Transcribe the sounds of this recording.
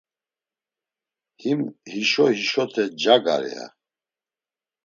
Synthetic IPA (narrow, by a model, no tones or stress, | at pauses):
himhiʃɔhiʃɔt̪ʰɛd͡ʒaɡa̰ɾɛ̰a̰